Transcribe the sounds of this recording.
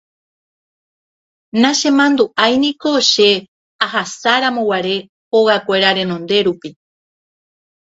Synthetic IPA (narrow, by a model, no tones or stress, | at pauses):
nãʃẽ̞mãnd̪uʔajnĩko̞ʃe̞ | aɦasaɾãmõwaɾe̞ | hoɣakʷe̞ɾaɾẽ̞nõ̞nd̪e̞ɾupi